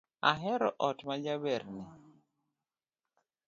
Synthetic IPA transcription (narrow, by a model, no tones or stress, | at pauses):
aɦɛɾɔ̰ʔɔtmad͡ʒabɛɾnɪ